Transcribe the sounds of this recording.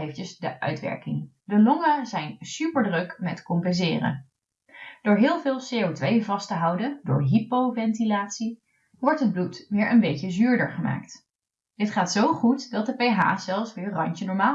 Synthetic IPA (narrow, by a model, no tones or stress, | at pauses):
ejftəsdəʔœ̰ɥtʋɛ̰ɹkɪŋ | dəlɔŋəzɛjnsypəɹdrøkmɛtkɔmpɛnzɪ̰ːrə̰ | d̥ʊːɹɦɪːlˠvɪːlˠsejowtʋejvɑstəɦɑwdədʊ̰ːɹɦipowvɛntilaːtsi | ʋɔɹtɦəd̚blutʋɪːɹʔənbejcəzyːɹdəɹχəma̰ːkt | d̥ɪtχaːtsowχutdɑt̚dəpejɦa̰ːz̥ɛlˠfsʋɪːɹrɑɲt͡ʃənɔɹmaː